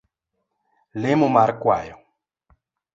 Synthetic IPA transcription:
lemumaɾkwa̰jo

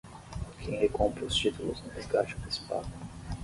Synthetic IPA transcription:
kʰẽj̃hekõmpɾʊst͡ʃit̪ulʊ̰znʊ̃d̪ezɡat͡ʃʊ̥pespa̰d̪ʊ

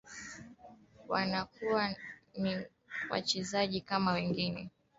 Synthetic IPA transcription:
wanakuwani | wa̰t͡ʃɛzaʄikamawɛŋɡinɛ̰

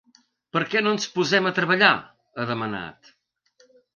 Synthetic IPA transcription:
pəɾkɛnonspuzɛmət̪ɾəβ̞əʎa | əðəməna̰t̪

